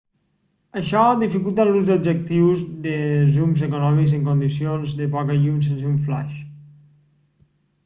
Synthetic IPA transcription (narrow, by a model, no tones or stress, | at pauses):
əʃɔðifikulˠt̪aluzðubʒək̚t̪iwzðəzumzekunɔmikzəŋkund̪isionzðəpɔkəʎums̬ensuɱfla̰ʃ